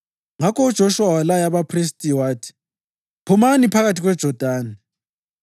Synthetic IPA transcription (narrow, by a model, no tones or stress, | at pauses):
ŋakʰɔud̥ʒ̥ʱɔʃuwawalajaβapʰris̬tʼiwaːtʰi̥ | pʰumanipʰaɣatʰiɣwɛd̥ʒ̥ʱɔd̥ʱaːni